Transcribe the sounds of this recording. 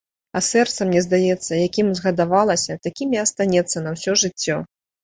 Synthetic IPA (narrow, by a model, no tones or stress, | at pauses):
ɐsɛrt̪sɐmnʲɛzd̪ajɛt̪sːɐjakʲimzɣɐd̪avalˠɐsʲɐt̪akʲimʲjaɐst̪anʲɛt̪sːɐnɐwsʲɔʐɨt͡sʲːɔ